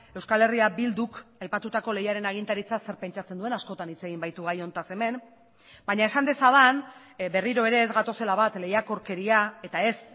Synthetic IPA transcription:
e̞wskale̞riabild̪ukajpat̪ut̪ako̞le̞jaɾe̞naɣ̞int̪aɾit͡sase̞ɾpe̞nt͡ʃat͡se̞nd̪ue̞nasko̞t̪anit͡se̞ɣimbajt̪uɣ̞ajo̞nt̪ase̞me̞n | baɲae̞sand̪e̞saðan | be̞riɾo̞e̞ɾe̞ːzɣat̪o̞se̞laβ̞at̪le̞jako̞ɾke̞ɾiae̞t̪ae̞s

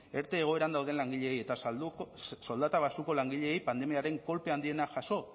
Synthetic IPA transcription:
e̞ɾt̪e̞ːɣ̞o̞e̞ɾand̪awðe̞nlaŋɡiʎe̞ːje̞t̪auso̞ld̪at̪aβasuko̞laŋɡiʎe̞ːjpand̪e̞miaɾe̞ŋko̞lpe̞and̪ie̞naʝaso̞

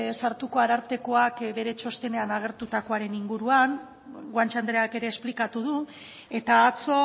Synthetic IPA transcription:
saɾt̪uko̞aɾaɾt̪e̞ko̞akbe̞ɾe̞t͡ʃo̞st̪e̞ne̞anaɣ̞e̞ɾt̪ut̪ako̞aɾe̞niŋɡuɾuaŋ | ɡwant͡ʃand̪ɾeake̞ɾe̞ːsplikat̪uðu | e̞t̪aːt͡so̞

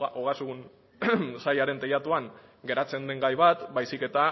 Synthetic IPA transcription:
ʔoɣasuɣun | sajaɾe̞nt̪ejat̪uaŋɡe̞ɾat͡se̞nd̪e̞ŋɡajβat̪bajsike̞t̪a

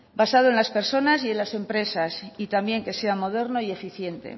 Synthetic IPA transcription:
basaðo̞enlaspe̞ɾso̞nasie̞nlase̞mpɾe̞sasit̪ambje̞ŋke̞se̞amo̞ð̞e̞ɾno̞ie̞fiθje̞nt̪e̞̰

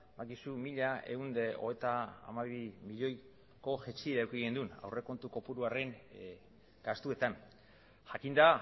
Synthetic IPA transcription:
bakisumiʎae̞und̪eoɣejt̪a̰ːmaβimiʎo̞j | ko̞ʝet͡ʃieɾawkiɣe̞nd̪una̰wre̞ko̞nt̪uko̞puɾuare̞ŋ | ɡ̥ast̪ue̞t̪an | ʝakind̪a

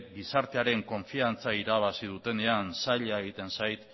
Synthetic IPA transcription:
ɡisaɾt̪e̞aɾe̞ŋko̞ɱfiant͡saiɾaβ̞asið̞ut̪e̞ne̞ansaʎaeɣ̞it̪e̞nsajt̪

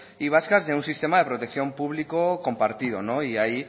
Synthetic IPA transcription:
iβ̞askazðeunsist̪emaðepɾot̪ekθjompuβ̞likokompaɾt̪ið̞onõiaji

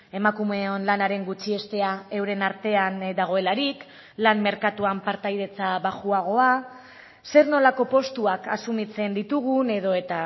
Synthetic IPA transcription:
e̞makume̞o̞nlanaɾe̞ŋɡut͡ʃie̞st̪e̞ae̞wɾe̞naɾt̪e̞and̪aɣ̞o̞e̞laɾik | lanme̞ɾkat̪uampaɾt̪ajðe̞t͡saβaʝuaɣ̞o̞a | se̞ɾno̞lako̞po̞st̪uakasumit͡se̞nd̪it̪uɣ̞une̞ðo̞e̞t̪a

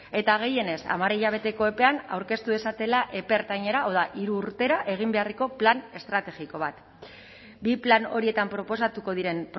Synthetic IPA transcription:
e̞t̪aɣ̞e̞je̞ne̞sa̰maɾiʎaβ̞e̞t̪e̞ko̞e̞pe̞ana̰wɾke̞st̪uesat̪e̞laʔe̞pe̞ɾt̪aɲe̞ɾao̞ðaʔiɾuːɾt̪e̞ɾaʔe̞ɣ̞imbe̞areko̞plane̞st̪ɾat̪e̞ɣiko̞β̞at̪ | biplano̞̰ɾie̞t̪ampɾo̞po̞sat̪uko̞ð̞iɾe̞mp

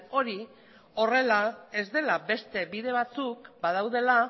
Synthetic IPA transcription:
o̞ɾi | o̞re̞lae̞zd̪e̞labe̞st̪e̞βiðe̞β̞at͡sukbað̞awðe̞la

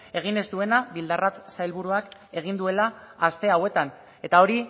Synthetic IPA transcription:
e̞ɣ̞ine̞zd̪ue̞naβild̪arat͡ssajlβuɾuake̞ɣ̞ind̪ue̞laːst̪e̞awe̞t̪an | e̞t̪ao̞ɾi

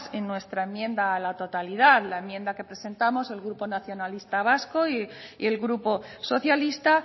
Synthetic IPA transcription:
senːwe̞st̪ɾaemjẽ̞nd̪aːlat̪o̞t̪alið̞aðlaemje̞nd̪ake̞pɾe̞se̞nt̪amo̞se̞lɣɾupo̞naθjo̞nalist̪aβ̞askoiḭe̞lɣɾupo̞so̞θjalist̪a

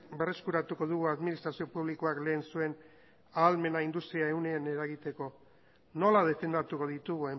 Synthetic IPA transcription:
be̞re̞skuɾat̪uko̞ðuɣ̞uaðminist̪ɾasio̞puβlikoakle̞ːnsue̞n | aːlme̞naind̪ust̪ɾiaewne̞ane̞ɾaɣit̪e̞ko̞ | no̞lað̞e̞fe̞nd̪at̪uko̞ð̞it̪uɣue

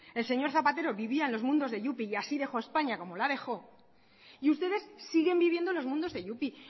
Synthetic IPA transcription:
e̞lseɲo̞ɾθapat̪e̞ɾo̞βiβiaenlo̞zmũnd̪o̞zðe̞ʝupiːasiðe̞xo̞e̞spaɲako̞mo̞laðe̞xo̞ | iust̪e̞ðe̞sːiɣe̞mbiβje̞nd̪o̞lo̞zmũnd̪o̞zðe̞ʝupi

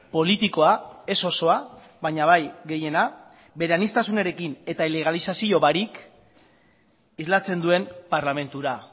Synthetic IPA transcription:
po̞lit̪iko̞ae̞so̞so̞a | βaɲaβajɣe̞je̞na | be̞ɾeanist̪asune̞ɾe̞kine̞t̪aile̞ɣ̞alisasio̞βaɾik | izlat͡se̞nd̪ue̞mpaɾlame̞nt̪uɾa

